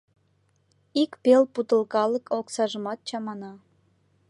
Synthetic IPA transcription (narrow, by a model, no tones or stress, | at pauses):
ikpelput̪əlkɑlə̆kʰoksɑʒəmɑt̪̚t͡ɕɑmɑnɑ